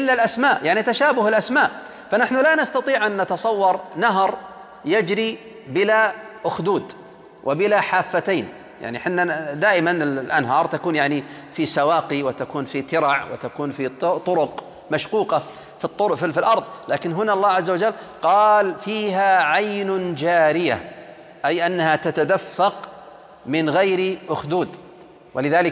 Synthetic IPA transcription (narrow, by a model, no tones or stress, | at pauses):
ʔɪlːalʔasmaːʔjaʕnit̪aʃaːbʊhɪlʔasmaːʔ | fanaħnʊlanast̪ɑt̪ˤiːʕʔanːat̪ɑsˤɑwːɑɾˤnaɦɾˤ | jad͡ʒɾi | bɪlaʔʊxd̪uːd̪ | wʔɪbɪlaħaːfːat̪aːn | ja̰ʕniħɪnːad̪aːʔɪmanɪllʔanɦɑːɾˤt̪akuːnjaʕni | fisawaːqiwɪt̪akuːnfit̪ɪɾɑʕwɪ̰t̪akuːnfit̪ˤːʊɾʊq | maʃquːqɑ | fit̪ˤːʊɾfifilʔɑɾˤðˤlaːkɪnɦʊnaʔɑlˤːɑːʕazːawad͡ʒalːqɑːlfiːɦaʕajnd͡ʒaːɾɪja | ʔajʔanːahat̪at̪ad̪afːɑq | mɪnɣajɾiʔʊxd̪uːd̪ | wʔɪlɪðaːlɪ